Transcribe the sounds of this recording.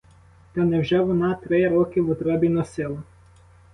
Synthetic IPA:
t̪ɔnɛwʒɛʋɔnɑt̪ɾɪɾɔkɪʋʊt̪ɾɔbʲinɔsɪlˠɐ

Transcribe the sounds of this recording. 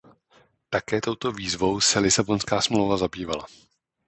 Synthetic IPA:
t̪akɛːt̪o̞wt̪o̞viːzvo̞wsɛlɪsabo̞nskaːsmlowvazabiːvala̰

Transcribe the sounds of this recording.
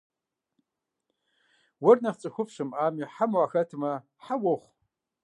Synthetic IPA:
wɐrnɐχt͡sʼɨxʷʊpʂɨmʔaːmiħamaxɐtʰmɐ | ħawoχʷ

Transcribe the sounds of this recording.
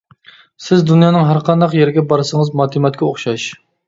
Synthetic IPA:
sɪzd̪unjɑːnɨŋɦæɾqɑnd̪ɑqjeɾɡʲɛbɑɾɨsəŋəzmɑːt̪ʰɨmɛt̪̚kʲʰɛoχʃɑʃ

